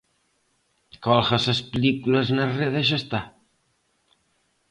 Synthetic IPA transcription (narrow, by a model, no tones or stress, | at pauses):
kɔlɣasɐspelikulɐznareðeʃast̪a